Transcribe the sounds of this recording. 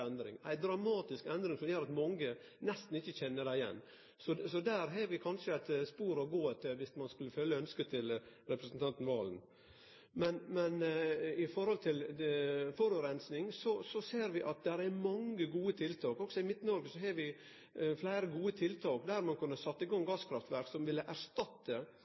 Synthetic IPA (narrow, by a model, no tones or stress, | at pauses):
ɛnd̪ɾɪ̰ŋæ̰ɪd̪ɾɑmɑːt̪ɪskɛnd̪ɾɪŋsɔmjøːɾɑt̪mɔŋːə | nɛst̪n̩ɪçːəçɛnːəɖæɪjɛ̰nː | sɔsɔd̪æːɾɦeːʋɪkʰɑnʂəæɪt̪spuːɾɔɡoːɛt̪ːəʋɪsmɑnskʉlːəfœlːəœnskət̪ʰɪl | ɾɛpɾəsnt̪ʰɑnt̪n̩ʋɑːln | mɛnmɛnɪfɔɾhɔlt̪ʰɪl | fɔɾʉːɾɛnsnɪŋsɔsɔseːɾʋɪʔɑt̪̚d̪æɾæɾmɑŋːəɡuːət̪ʰɪlt̪ʰɑːkɔksɔɪmɪt̪ːnɔɾɡəsɔɦeːʋɪ | flæɪɾəɡuːət̪ʰɪlt̪ʰɑːkd̪æɾmɑnkʰʉnːəsɑt̪ːəɪɡɑŋɡɑːskʰɾɑft̪ʋæɾksɔmʋɪlːəʔæɾʂt̪ɑt̪ːə